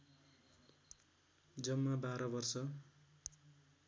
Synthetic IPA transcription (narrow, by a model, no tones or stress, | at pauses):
d͡zʌmːabaɾʌbʌrsʌ